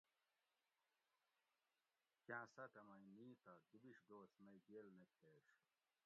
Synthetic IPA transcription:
kjãːsɐʈ̪ɐmɐiniːt̪ɐd̪ubiɕd̪oːsmɐjɡelnekʰeːʂ

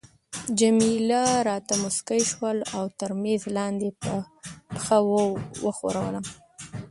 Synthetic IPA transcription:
d͡ʒamilaɾɑt̪amʊskajʃwəlawt̪əɾmezlɑnd̪epə | pxawəwəxo̰ɾawə̰lam

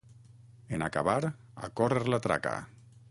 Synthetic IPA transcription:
enaka̰βaɾ | a̰koreɾlat̪ɾa̰ka̰

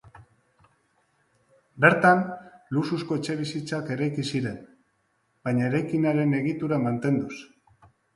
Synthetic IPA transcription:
be̞ɾt̪anlususko̞et͡ʃe̞βisit͡sake̞ɾajkisiɾe̞n | b̥ajɲaeɾajkinaɾe̞ne̞ɣit̪uɾamant̪e̞nd̪us

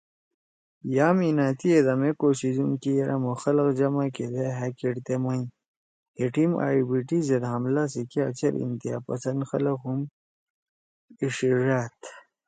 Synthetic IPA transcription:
jaːminaːt̪ied̪amekoɕizuŋkijɐɾʔamoxɐlɐqd͡ʑɐmaked̪eɦakeʈt̪emajĩ | heʈima̰ːibiʈized̪ɦamlas̬ikia̰t͡ɕɐɾḭnt̪ija̰ːpɐsɐnd̪xɐlɐqhum | iʂiʐaːt̪

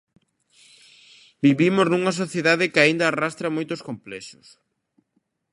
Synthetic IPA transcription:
biβimoznuŋɐs̬oθjeðaðɪkɪaind̪aːrast̪ɾɐmojt̪oskomplɛsʊ̥s

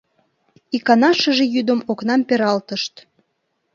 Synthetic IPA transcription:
ikɑnɑʃəʒejyd̪əmoknɑmpeɾɑlt̪əʃt̪

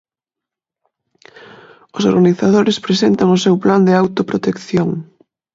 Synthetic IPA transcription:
ʊsoɾɣaniθaðoɾɪspɾesent̪ɐŋʊsewpland̪ɪawt̪opɾot̪ekθjoŋ

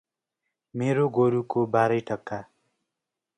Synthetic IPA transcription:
meɾoɡoɾukobaɾʌjʈʌkːa

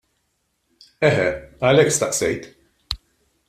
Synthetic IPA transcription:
ɛɦɛɐlɛkːst̪ɐʔsɛjt̪

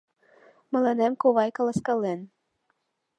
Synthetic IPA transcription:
mɤ̆lɤnemkoβɑjkəlˠəskɑlen

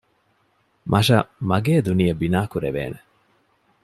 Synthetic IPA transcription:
mʔɐʃɐmɐɡeːd̪uniɐbinaːkuɾḛʋḛːne

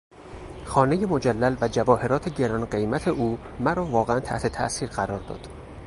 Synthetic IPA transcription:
xɒːne̞jemod͡ʒælːælvæd͡ʒævɒːhe̞ɾɒːt̪ʰe̞ɟe̞ɾɒnɢe̞jmæt̪ʰe̞ʔuː | mæɾɒːvɒːɣeænt̪ʰæ̰ʔt̪ʰe̞t̪ʰæ̰ʔsiːɾɢæɾɒːɾd̪ɒ̰ːd̪̥

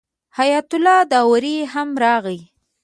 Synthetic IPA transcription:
hajat̪ʊlɑd̪ɑwɾiɦamɾɑɣəj

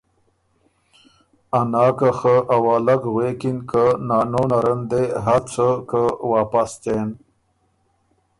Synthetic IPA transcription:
anɑːkəxəʔawɑːlaɡɣwekinkənɑːnonaɾənd̪eɦat͡sʰəkəwɑːpast̪en

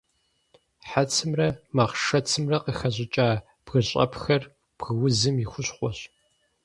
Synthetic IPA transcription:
ħat͡sʰɨmrɐmɐʁʃɐt͡sʰɨmrɐqəxɐʑʼɪt͡ʃʼaː | b̥ɣɨɕʼɐ̰pxɐr | b̥ɣɨwʊzɨmjɪxʷʊɕqʷɔɕ

